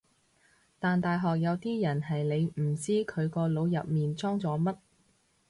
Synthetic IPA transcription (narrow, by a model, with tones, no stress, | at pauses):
t̪aː˨nt̪aː˨jɦɔː˨k̚jɐ˨˧wt̪iː˥jɐ˨˩nɦɐ˨jne˨˧jm̩˨˩t͡siː˥kʰɵ˨˧ɥkɔː˧lo˨˧wjɐ˨p̚miː˨nt͡sɔː˥ŋt͡sɔː˨˧˥mɐ˥t̚